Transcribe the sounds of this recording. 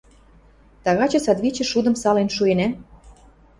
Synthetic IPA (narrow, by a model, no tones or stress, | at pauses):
t̪ɑɣɑt͡ɕɤ̆sɑd̪βit͡ɕĕʃud̪ə̆msɑlenʃuenæ